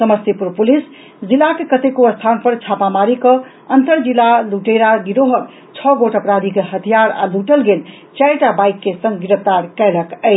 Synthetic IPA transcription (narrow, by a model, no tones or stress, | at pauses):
səməst̪ipuɾpulis | d͡ʒilːakekət̪ekoəst̪ʰanpəɾt͡ʃʰapamaɾikə | ənt̪əɾd͡ʒilːaluʈeɾaɡiɾoɦək | t͡ʃʰɔɡoʈəpɾad̪ʱikeɦət̪ʰijaɾa̰luʈəlɡel | t͡ʃajʈabajkːesə̃ŋɡɡiɾəpt̪aɾkɛɪləkəɪt͡ʃʰ